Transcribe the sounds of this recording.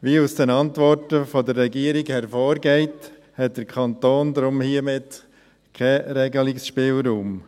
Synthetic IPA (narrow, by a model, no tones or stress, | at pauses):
ʋiːusd̥ɛnɑntʋɔɾtəfɔdərːɛɡiəɾɪɡhɛɾfoːɾɡɛɪt | hɛt̚d̥əɾkʰɑnt̪oːnd̪ɾʊmhiːəmɪt | kʰɛɾɛɡəlɪksʃpɪːlɾuːm